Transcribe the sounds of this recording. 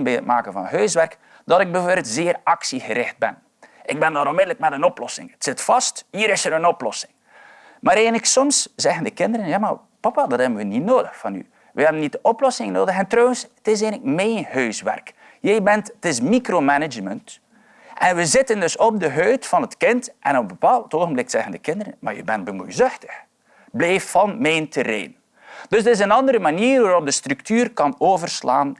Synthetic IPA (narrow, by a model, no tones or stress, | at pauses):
nbɛətma̰ːkənvɑ̰nɦœːsʋɛrk | dɑtɪɡ̚bəvoːrbɪːlˠtzɪːrɑksiɣəɾɪxt̚bɛ̰n | ɪɡ̚bɛndɑɾɔnmɪdələk̚mɛtənɔplɔsɪ̰ŋətsɪtfɑsthiːɾɪsəɾənɔplɔ̰sɪŋ | maːɾeːnləksɔmsz̥ɛɣəndəkɪndəɾənjaːma̰ | pɑpadɑtɦɛbənʋənitnoːdəxfɑny̰ | ʋəɦɛbənit̚dəʔɔplɔsɪŋnoːdəxɛntrɔwənsətɪs̬enləkmɛjnɦøːsʋɛ̰rk | jɛjbɛntətɪsmikromɛnɪd͡ʒmənt | ʔɛnʋəzɪtəndɵsɔb̚dəɦøːtfɑnətkɪntʔɛ̰nɔpəbəpaːlˠtoːɣənblɪksɛ̰ɣəndəkɪndəɾə̰nma̰ɹjə̰bɛnt̚bəmujzʏxtə̥x | bleːffɑnmɛntəɾḛːn | d̥ɵszdəɪsənɑndəɾəmaniːrʋaɾɔp̚dəstrʉktyːrkɑnoːvərslaːn